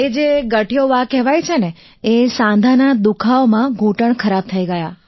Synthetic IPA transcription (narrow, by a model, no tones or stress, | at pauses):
ed͡ʒeɡəʈijoʋakɛʋajt͡ʃʰene | esãnd̪ʱanad̪ukʰaomãɡʱuʈəɳkʰəɾab̚t̪ʰəiɡəja